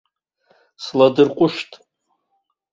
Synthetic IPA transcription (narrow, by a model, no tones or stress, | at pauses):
sladɨrqʷʼʊʃtʼ